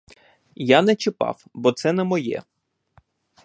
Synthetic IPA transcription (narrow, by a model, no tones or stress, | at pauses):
janɛt͡ʃɪpɑ̰wbɔt̪sɛnɛmɔjɛ̰